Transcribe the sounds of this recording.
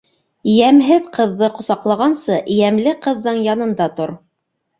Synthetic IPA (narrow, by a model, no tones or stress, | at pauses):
jæmɦɘðqɤ̆ðːɤqŏsɑqlˠɑʁɑnsɤʔjæmlɘqɤ̆ðːɤɴjɑnɤ̆nd̪ɑt̪oɾ